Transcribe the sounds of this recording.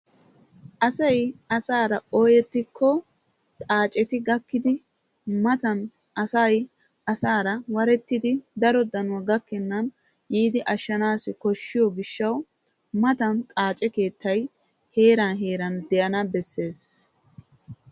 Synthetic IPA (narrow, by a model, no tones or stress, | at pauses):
ʔɐsɐjɐsaːɾɐoːjɛt̪ːɪkʰːɔ | t̪ʼaːt͡ʃʼɛt̪ɪɡɐkːɪd̪ɪ | mɐt̪ɐn | ʔɐsɐj | ʔɐsaːɾɐwɐɾɛt̪ːɪd̪ɪd̪ɐɾɔd̪ɐnʊɐɡɐkːɪnːɐn | jiːd̪ɪʔɐʃːɐnaːsɪkɔʃːɪjɔɡɪʃːɐw | mɐt̪ɐnt̪ʼaːt͡ʃʼɛke̞ːt̪ʰːɐj | he̞ːɾɐnɦe̞ːɾɐnd̪ɛjɐnɐbɛsːe̞ːs